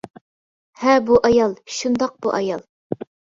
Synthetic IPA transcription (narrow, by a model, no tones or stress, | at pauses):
hɛbuʔɑjɑlˠʃund̪ɑq̚buʔɑ̰jɑlˠ